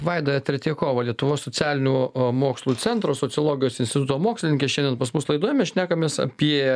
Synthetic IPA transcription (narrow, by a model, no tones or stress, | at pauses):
ʋɐɪd̪oːɛt̪ʲɾʲɛt̪ʲiːkoːʋɐlʲiɛt̪ʊʋoːssoːt͡sʲæːlʲɪnʲuːmoːkslˠuːt͡s̪ʲɛnt̪ɾoːsosʲɪolˠoːɡʲɪjoːsɪnʲsʲt̪ʲɪt̪ʊt̪oːmoːksʲlʲɪnʲɪŋʲkʲeːʃʲɛnd̪ʲɛnpɐsmʊslˠɐɪd̪uɔjɛmʲɛʃʲnʲæːkɐmʲeːsɐ̰pʲiɛ